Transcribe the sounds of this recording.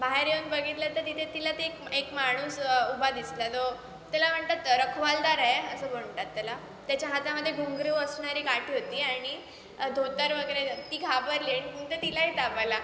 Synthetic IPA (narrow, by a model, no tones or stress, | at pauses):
baɦeɾjonbəɡʱit̪lat̪əɾt̪it̪ʰet̪ilat̪eekekmaɽ̃uːsubʱad̪islat̪o | t̪alam̤əɳt̪at̪ɾəkʰʋald̪aɾaɦeəsəbəɳt̪at̪ːala | t̪jat͡ɕjaɦat̪aməd̪ʱːjeɡʱoŋɡɾəʋəsɳaɾiːkaʈʰiɦot̪iːaɽ̃i | d̪ʱot̪əɾʋəɡəɾet̪iːɡʰʱabəɾleɳ̃iuŋt̪et̪ilaɦit̪apajla